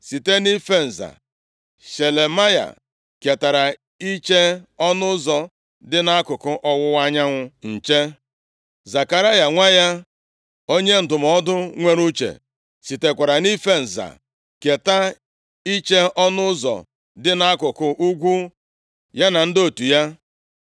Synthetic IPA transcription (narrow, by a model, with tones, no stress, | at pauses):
si˨te˦ni˦fe˦n̩˨za̰˨ | ʃe˨le˨ma˦ja̰˨ | ke˨ta˨ɾa˨ | i˦t͡ʃe˦ɔ˦nʊ˦zɔ˨ | dɪ˦na˦kʊ˨kʊ˦ʔɔ˦wʊ˦wa˦ɲa˦ŋʷʊ˦n̩˨t͡ʃe˦ | za˨ka˨ɾa˦ja˨ŋʷa˦ja˦ | o˦ɲe˦n̩˨dʊ˨m̩ɔ˦dʊ˦ŋʷe˦ɾu˦t͡ʃḛ˨ | si˨te˨kʷa˨ɾa˨ni˦fe˦n̩˨za̰˨ | ke˨ta˦ | i˦t͡ʃe˦ɔ˦nʊ˦zɔ̰˨ | dɪ˦na˦kʊ˨kʊ˨ʔu˦ɡʷu˦ | ja˦na˨n̩˦do˦tu˨ja˦